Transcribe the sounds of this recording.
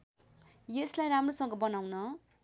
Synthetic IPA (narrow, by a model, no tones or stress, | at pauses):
jeslajɾamrosʌŋɡʌbʌnawnʌ